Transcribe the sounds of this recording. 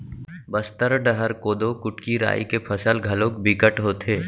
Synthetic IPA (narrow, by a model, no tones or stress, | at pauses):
bɐst̪əɾɖəɦəɾkoːd̪okʊʈkiɾa̰ːḭkepʰɐsəlɡʱɐlõːkbɪkəʈɦoːt̪ʰeː